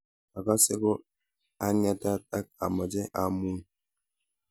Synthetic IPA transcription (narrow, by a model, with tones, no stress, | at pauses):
a˨ka˦se˦ko˦ | a˦ni˦a˦ta˦ta˦k̚a̰˨mɔ˨d͡ʒe˦ʔa˦mu˦n